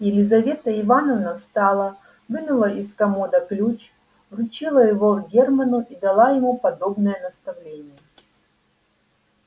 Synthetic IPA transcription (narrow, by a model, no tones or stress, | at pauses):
jɪlʲɪzɐvʲe̞t̪əɪvanəvnɐst̪alˠə | vɨnʊlˠəʔɪskɐmod̪əklʲut͡ɕ | vrʊt͡ɕilˠəjɪvoɡʲermɐnʊʔid̪ɐlˠajɪmupɐd̪o̞bnəjənəst̪ɐvlʲenʲɪjə